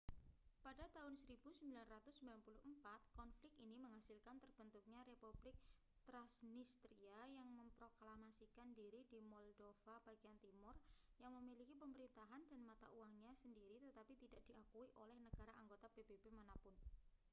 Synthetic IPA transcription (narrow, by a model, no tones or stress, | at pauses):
padat̪aɦʊnsəɾib̥usəmbilanrat̪ʊsːəmbilanpulʊhmpat̪̚kɔnflɪkiniməŋɦasɪlkant̪ərb̥ənt̪ʊk̚ɲaɾepublɪk̚ | t̪ɾasnist̪ɾiajaŋməmpɾoklamasikandiɾidimɔldofab̥aɡiant̪imʊrjaŋməmilikipəməɾint̪aɦandanmat̪a̰ʔuwaŋɲasəndiɾit̪ət̪apit̪idaʔd̥iakuiʔolɛhnəɡ̥aɾaʔaŋɡot̪apeb̥ebemanapʊn